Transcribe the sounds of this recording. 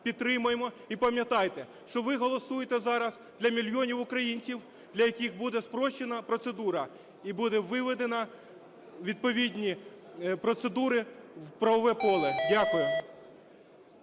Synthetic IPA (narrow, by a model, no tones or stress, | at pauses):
pʲid̪t̪ɾɪmʊjemɔ | ipɐmʲjɐt̪ɑjt̪ɛ | ʃt͡ʃɔʋɪɦɔlˠɔsujet̪ɛzɑɾɐz | d̪lʲɐmʲilʲjɔnʲiwʊkɾɐjinʲt͡sʲiw | d̪lʲɐjɐkʲixbud̪ɛspɾɔʃt͡ʃːenɐpɾɔt̪sed̪uɾɐ | ibud̪ɛʋɪʋɪd̪enɐ | ʋʲid̪̚pɔʋʲidʲnʲipɾɔt̪sed̪uɾɪwpɾɐʋɔʋɛpɔlˠɛdʲakʊjʊ